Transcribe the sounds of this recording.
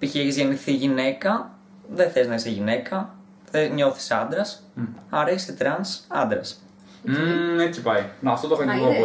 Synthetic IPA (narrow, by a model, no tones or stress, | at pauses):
piçeçizʝeniθiʝine̞kɐ | ðeθeznɐiseʝine̞kɐ | θeɲo̞θi̥sɐnd̪ɾɐs | ɐɾeçisit̪ɾɐnsɐnd̪ɾɐs̩ | et͡sipɐjnɐft̪ot̪oxɾoniko